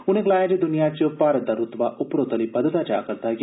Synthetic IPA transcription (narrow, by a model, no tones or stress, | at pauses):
ʊnẽklaːjad͡ʒed̪ʊnijat͡ʃopaːɾət̪̚d̪aɾʊt̪ʋaʔʊpɾot̪ɐlipɐd̪ət̪ad͡ʒa̰ːkɐɾt̪aɡ